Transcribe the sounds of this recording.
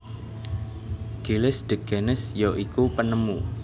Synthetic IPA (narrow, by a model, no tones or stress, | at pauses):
ɡ̥elɪsɖ̪̥ə̤ɡ̥enɪsjoʔikupənəmu